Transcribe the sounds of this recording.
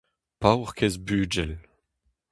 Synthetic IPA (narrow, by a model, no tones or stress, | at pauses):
pawʁkʰɛzbyːd͡ʒɛl